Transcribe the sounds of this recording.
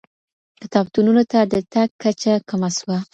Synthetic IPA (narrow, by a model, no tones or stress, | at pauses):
d̪ət̪ɑbt̪ununot̪ad̪ət̪aɡ̚kːat͡ʃakamaswa